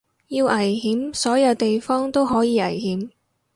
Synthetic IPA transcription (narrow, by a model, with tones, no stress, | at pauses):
jiː˧wʔɐ˨˩jhiː˨˥msɔː˨˥jɐ˨˧wt̪e˨jfɔː˥ŋt̪o˥wɦɔː˨˥jiː˨˧ɐ˨˩jhiː˨˥m